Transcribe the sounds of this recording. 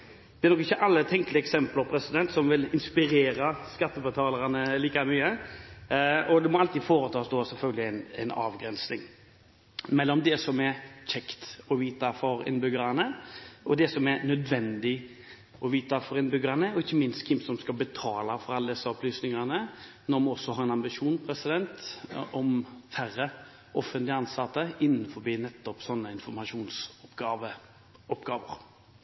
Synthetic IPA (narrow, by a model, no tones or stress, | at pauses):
d̪̥ɛɛɾnɔkɪçːəʔɑlːət̪ʰɛŋklɪɛksɛmpləʁpʰɾɛsɪd̪ɛnt̪sɔmʋɪlɪnspɪɾeːɾəskɑt̪ːəbət̪ʰɑːləɾɑnəliːkamyːə | ɔd̪ɛmɔɑlt̪iːd̪foːɾət̪ʰɑːsd̪oːsɛlfœlɡəlɪæɪnɛnɑ̰ːʋɡɾɛnsnɪŋ | mɛlːɔmd̪ɛsɔmɛɾt͡ʃɛkt̪ɔʋiːt̪ɑfɔɾɪ̰nbʏɡəɾɑnəʔɔd̪ɛsɔmɛɾnœd̪ʋɛnd̪ɪ | ʔɔʋiːt̪ɑfɔɾɪnbʏɡəɾənəɔɪçːəmɪnst̪kʰɪnsɔmskɑbət̪ʰɑːlɑfɔɾɑlːəd̪ɛsːəɔplyːsnɪŋɑnə | nɔɾmɑɔsːɔhɑɾɛnɑmbɪʂuːnpʰɾɛsɪd̪ɛnt̪ɔmfæɾːə | ʔɔfːənt̪lɪɑnsɑt̪ːəɪnːn̩fɔbiːnɛt̪ːɔpsɔnːəɪnfɔɾmɑʂuːnsɡɑʋə | ɔpɡɑːʋəɾ